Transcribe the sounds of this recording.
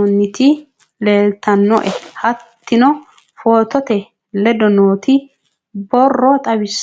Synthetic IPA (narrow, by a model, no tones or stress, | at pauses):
ɔnːɪt̪ɪ | le̞ːlt̪ɐnːɔ̰ʔɛhɐt̪ːɪnɔ | foːt̪ɔt̪ɛ | lɛd̪ɔnoːt̪ʰɪ | bɔrːɔt̪ʼɐbɪs